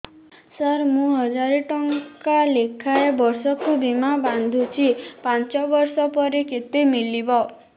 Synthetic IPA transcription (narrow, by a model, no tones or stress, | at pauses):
səɾmũɦɔd͡ʒaɾiʈɔŋkalekʰaebɔɾsɔkubimaband̪ʱut͡ʃʰipant͡ʃɔbɔɾsɔpɔɾeket̪emilibɔ